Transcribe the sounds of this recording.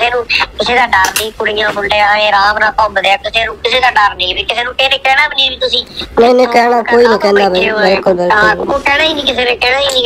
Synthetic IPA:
seːnũːt̪ʊseːd̪aːɖəɾnĩːkʊɽɪjãːɦʊɳɖeːaeːɾãːbnãːkɔ̃ːbəd̪aːk̪ʊseːnũːkɪseːd̪aːɖəɾnĩːbiːkɪseːnũːʈeːnẽːkɛːɽãːbəniaːbiːt̪ʊsĩːnə̃ːnẽːkɛːɽ̃aːkoːiːnĩːkɛ̃ːnd̪aːbibɪlkʊlbɪlaʊoːkɛːɽ̃ãːiːnĩːkɪseːnẽːkɛːɽ̃ãːiːniː

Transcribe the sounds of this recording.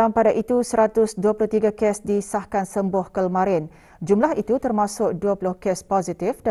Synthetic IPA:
ampadaʔit̪usəɾat̪ʊsduapuluht̪iɡakɛsdisahkansəmbʊhkəlmãɾɪn | d͡ʒumlaɦit̪ut̪ərmãsʊk̚duapulʊhkɛspɔzit̪ɪfd

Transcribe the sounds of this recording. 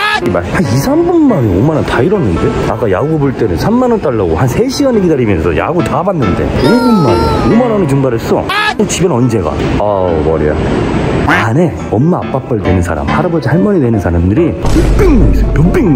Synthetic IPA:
imasʰaisʰambɯnmaneoomanantaiɾʌnːɯndeak͈ajaɡobɯɭt͈e̞nɯnsʰamːanʌnt͈aɭːaɡohansʰe̞ɕʰiɡaneɡidaɾimjʌnsʰʌ̰ja̰ɡutabanːɯnde̞̰obunmanḛoomanʌnɯt͡ɕuŋbaɾɯɭs͈ʌ̰ot͡ɕibjʌnʌnd͡ʑe̞ɡa̰amʌɾḭja̰ | ane̞ | ʌmːaap͈ap͈aɭdwe̞nɯnsʰaɾa̰mhaɾabʌd͡ʑihaɭmʌnidwe̞nɯnsʰaɾamdɯɾijup͈iŋaisjupiŋ

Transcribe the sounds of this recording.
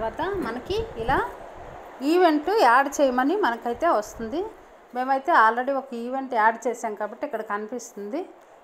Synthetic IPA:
ɐʋaːt̪ɐmɐnɐkiilaː | iːʋe̞ɳʈuaːɾɖt͡ʃeːjɐmɐnimɐnɐkɐjt̪e̞ːʋɐst̪und̪i | me̞ːmɐjt̪e̞ːaːlɾe̞ɽiokɐiːʋe̞ɳʈaːɾɖt͡ʃeːsaːnkaːbɐʈːiikːɐɽɐkɐnipist̪und̪i

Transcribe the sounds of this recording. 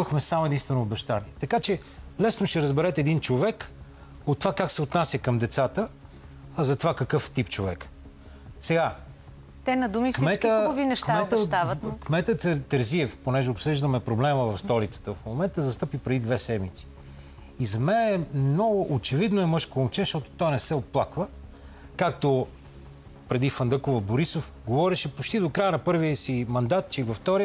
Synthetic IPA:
əxmɛsamoɛd̪inst̪vɛnoːbɛʃt̪aniɛt̪ɐkat͡ʃɛ | lɛsnoʃt̪ɛɾəzbɛɾɛt̪ɛd̪int͡ʃovɛk | ot̪ːovakaksɛot̪nasʲjəkəmd̪ɛt̪sat̪ə | ɐzɐt̪ovakəkɤft̪ipt͡ʃovɛkə̥ | sɛɡa | t̪ɛnɐd̪umifksimɛtk̪iəvinɛʃkmɛt̪ət̪avəkmɛt̪ət̪ɛɾziɛfponɛʒɛopsɤʒd̪əmɛpɾoblɛməvɐfst̪ɔlit̪sə̥t̪əfmomɛnt̪əzɐst̪ɤpipɾɛd̪id̪vɛsɛmit̪si̥ | izɐmɛnɛmnɔɡʊʔot͡ʃɛvid̪noɛmɤʃkoomt͡ʃɛʃt̪ɔt̪o̥t̪ɔjnɛsɛot̪̚plˠakvə | kak̚t̪o | pɾɛd̪ifɐnd̪ɤkovɐboɾisof | ɡovɔɾɛʃɛpot͡ʃt̪id̪okɾajənɐpɤɾviəsimɐnd̪at̪̚t͡ʃɛivɐft̪ɔɾiə

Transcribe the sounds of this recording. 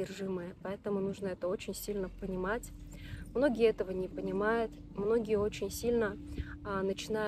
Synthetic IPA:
ɪrʐɨməjəpɐɛt̪əmʊnuʐnəɛt̪əo̞t͡ɕɪnʲsʲilʲnəpənʲɪmatʲmno̞ɡʲɪjəɛt̪əvənʲɪpənʲɪmajʊt̪ | mno̞ɡʲɪjəo̞t͡ɕɪnʲsʲilʲnə | nət͡ɕɪna

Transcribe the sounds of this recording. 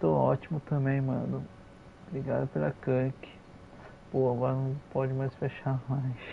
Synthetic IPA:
t̪oɔt͡ʃimʊt̪ɐ̃bẽj̃mɐ̃d̪ʊ | bɾiɡad̪ɐpelɐkɐ̃kɪ̥ | b̥owaɡɔɾɐnɐ̃w̃pɔd͡ʒɪmajsfeʃaɾmajs

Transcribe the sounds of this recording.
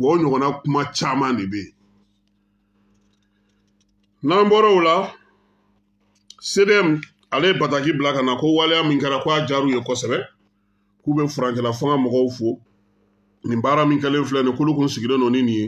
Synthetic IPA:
bɔɲɔɡɔnakũmat͡ʃaːmãdebe | nãmbɔɾɔula | sedeɛm | alebatakibilakanakowalejamĩkɛɾakojad͡ʒaːɾujekɔsɛbɛ | kubɛfuɾãŋkɛlafãŋamɔɡɔufo | nĩbaːɾamĩkɛlẽflɛ̃nekolokũsiɡidẽdɔnĩnĩje

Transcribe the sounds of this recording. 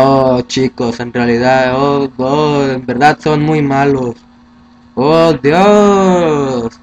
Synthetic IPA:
ot͡ʃikosenrealiðaðooembeɾðaðsonmujmalos | od̪jo | s

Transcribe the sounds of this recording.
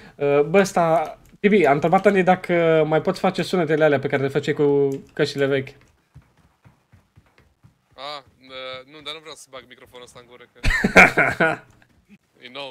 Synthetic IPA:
əbəəst̪a | t̪ibiamnt̪ɾe̞bat̪anid̪akʰəmajpot̪sʲfat͡ʃe̞sunet̪elealeape̞kaɾe̞lefat͡ʃejkukəʃt̪ile̞ve̞kʲ | a | ənud̪anuvɾeawsə̥baɡmikɾofonuəst̪aɨŋɡuɾəkə | junow

